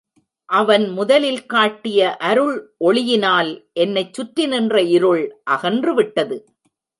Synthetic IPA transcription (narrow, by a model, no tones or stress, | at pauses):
ʔɐʋɐnmʊðɐlɪlkaːʈːɪjɐʔɐɾɯɭʔɔɭɪjɪnaːlʔɛnːɐɪt͡ʃːʊʈɾɪnɪndrɐɪɾɯɭʔɐɣɐndrɯʋɪʈːɐðɯ